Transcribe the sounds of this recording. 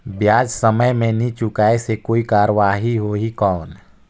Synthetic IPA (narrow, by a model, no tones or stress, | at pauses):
bjaːd͡ʒsəməjmẽnit͡ʃʊkaːesekoːikaːɾəʋaːɦiɦoɦikɔːn